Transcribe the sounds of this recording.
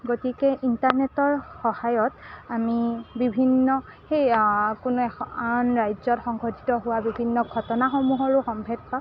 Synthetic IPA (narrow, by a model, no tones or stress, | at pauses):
ɡotikɛʔintaɹnetɔɹxɔhajɔtamibibʱinːɔ | xejkʊnʊɛanɹajzɔtxɔŋɡɔtitɔɦʊwabibʱinːɔɡʱɔtɔnaxomuɦɔɹʊxɔmbʱɛt̚pa